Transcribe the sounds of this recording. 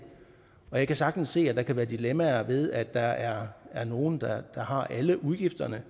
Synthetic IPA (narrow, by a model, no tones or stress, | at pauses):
ɒ̽jɑ̈ɪkʰæsɑ̈ɡ̥̚d̥n̩sːe̝̰ːæd̥ɑ̈kʰæʋæːɐd̥ilemæɐʋe̝ð̞ˠæd̥ːɑ̈æɐæɐno̝ːn̩d̥ɑd̥ɑ̈ɦɑ̈ʔæləʔuð̞ˠɡ̥ifd̥ɐnə